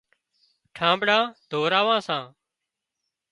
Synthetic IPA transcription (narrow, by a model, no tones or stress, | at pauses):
ʈʰãːmbɽãːd̪ʱoːɾaːʋãːsãː